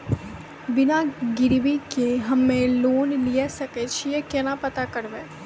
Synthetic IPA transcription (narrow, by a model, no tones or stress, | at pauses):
bɪnaɡɪɾwikeɦɐmːẽloːnlijesɐket͡ʃʰijekɛnapɐt̪akɐɾʋeː